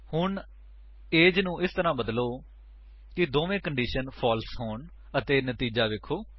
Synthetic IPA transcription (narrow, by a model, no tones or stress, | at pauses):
hʊɳ | eːd͡ʒnũːʔɪst̪əɾãːbəd̪loː | kɪd̪oːʋẽːkəɳɖiːʃənpʰɔːlsɦoːɳ | ət̪eːnət̪iːd͡ʒaːʋɪkʰːoː